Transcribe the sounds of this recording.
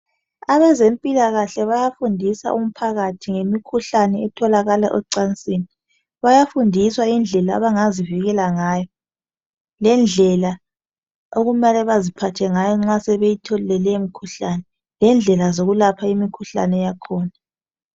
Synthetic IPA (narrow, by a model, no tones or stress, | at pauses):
aβɛzempʼilaɣaɬɛβajafundʱisa̰ʔum̩pʰaɣatʰiŋemikʰuɬanɛːtʰɔlaɣalaʔɛǀansʼiːni | βajafundʱiswaind͡ɮʱɛla̰ːβaŋaziviɣɛlaŋaːjɔ | lɛnd͡ɮʱɛla | oɣumalɛβazipʰatʰɛŋajɔŋ͡ǁasɛβejitʰɔllɛlɛmikʰuɬanɛ | lɛnd͡ɮʱɛlazoɣulapʰaimikʰuɬa̰nɛjakʰɔːna